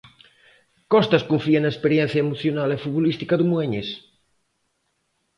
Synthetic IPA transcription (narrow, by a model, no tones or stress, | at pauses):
kɔst̪ɐskuɱfienaespeɾjɛ̃n̟θjɐemuθjonalefut̪βolist̪ikaðumueɲes